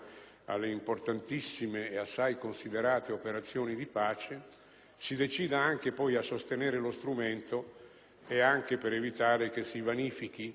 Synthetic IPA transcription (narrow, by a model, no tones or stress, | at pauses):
a̰lːeimport̪ant̪isːimeːasːajkonsid̪eɾaːt̪eopeɾat̪sːjoːnid̪ipaːt͡ʃe | sid̪et͡ʃiːd̪aaŋk̟epɔjasːost̪enɛːɾelost̪ɾument̪o | eaŋk̟epeɾevit̪aːɾek̟esivaniːfik̟i